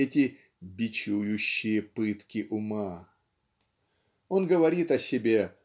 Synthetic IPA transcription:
ɛtʲɪ | bʲɪt͡ɕujʊɕːɪjəpɨt̪kʲɪʔʊma | o̞nɡəvɐɾʲit̪ɐsʲɪbʲe

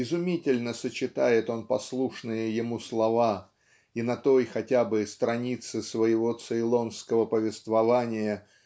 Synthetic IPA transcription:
ɪzʊmʲitʲɪlʲnəsət͡ɕɪt̪ajɪt̪o̞npɐslˠuʂnɨjəjɪmuslˠɐva | inɐt̪o̞jxɐtʲabɨst̪ɾɐnʲit̪sɨsvəjɪvo̞t̪sɨɪlˠo̞nskəvəpəvʲɪst̪vɐvanʲɪjə

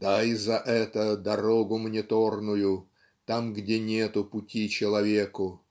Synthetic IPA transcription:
d̪̥ajɪzɐʔɛt̪əd̪ɐɾoɡʊmənʲɪt̪o̞rnʊjʊ | t̪amɡdʲenʲet̪ʊpʊtʲit͡ɕɪlˠɐvʲe̞kʊ

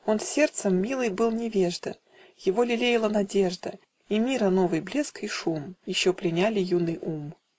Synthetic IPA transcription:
o̞nsʲe̞rt̪səmːʲilˠɨjbɨlˠnʲɪvʲeʐd̪ə | jɪvo̞lʲɪlʲejɪlˠənɐdʲe̞ʐd̪ə | imʲiɾəno̞vɨjblʲeskiʂumjɪɕːopɾʲɪnʲalʲɪjunːɨjum

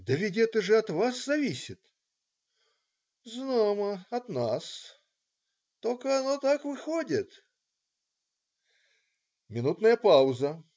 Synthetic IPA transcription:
d̪əvʲɪdʲet̪əʐɨɐt̪vaszɐvʲisʲɪt̪ | znaməɐt̪nas | t̪olʲkəɐnot̪akvɨxodʲɪt̪ | mʲɪnut̪nəjəpaʊzə

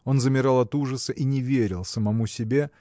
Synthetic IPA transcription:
o̞nzəmʲɪɾɑlˠɐt̪uʐəsəʔinʲɪvʲeɾʲɪlˠsəmɐmusʲɪbʲe

